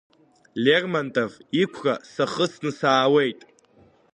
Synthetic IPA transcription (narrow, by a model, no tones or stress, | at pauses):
lʲermantʼovikʷʰra̰saχəsnɨsaːwe̞jtʼ